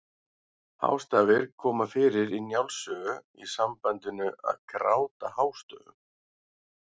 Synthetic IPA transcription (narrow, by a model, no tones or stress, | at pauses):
ha̰wst̪aːɣɪɾ̥kʰɔːmafɪːɾɪɾinjawlsœːɣʏisampajnt̪ʏnʏʔa̰ðkɾa̰ːwt̪ahaːwst̪œ̰ːɣʏ̰m